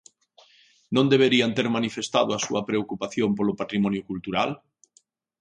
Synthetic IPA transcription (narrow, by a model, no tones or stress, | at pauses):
nõnd̪eβ̞eɾiant̪eɾmanifest̪að̞oasuɐpɾeokupaθjompolopat̪ɾimɔnjʊkult̪uɾa̰l